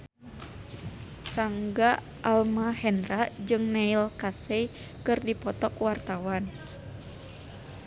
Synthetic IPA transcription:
saŋɡa | ʔalmahɛnɾad͡ʒɨŋnailkasɛ | kɨrdipɔt̪ɔkwart̪awan

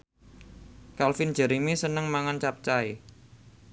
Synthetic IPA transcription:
kalfɪn̥d͡ʒ̥ə̤ɾimisənəŋmaŋant͡ʃap̚t͡ʃai

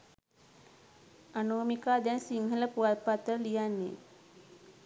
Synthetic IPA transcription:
anumikaːd̪ɛnsiŋɦələpuat̪̚pat̪əlijanːḛ

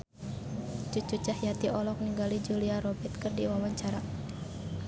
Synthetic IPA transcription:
t͡ʃut͡ʃut͡ʃahjat̪iʔɔlɔk̚niŋɡalid͡ʒuliaɾɔbɛrt̪̚kɨrdiwawaɲt͡ʃaɾa

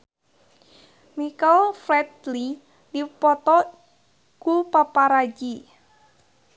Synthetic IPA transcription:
mikɔlfɾɛt̪li | dipɔt̪ɔ | kupapaɾad͡ʒi

